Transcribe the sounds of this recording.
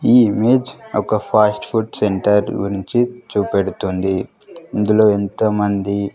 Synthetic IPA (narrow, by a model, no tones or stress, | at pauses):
iːime̞ːd͡ʒɔkɐpʰaːsʈpʰuʈseɳʈɐɾɡuɾiɲt͡ʃit͡ʃuːpeɽut̪und̪i | ind̪ulo̞ːent̪ɐmɐnd̪i